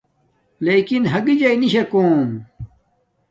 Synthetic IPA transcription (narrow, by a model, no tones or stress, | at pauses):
leːkinɦɐɡid͡ʑɐiniɕekoːm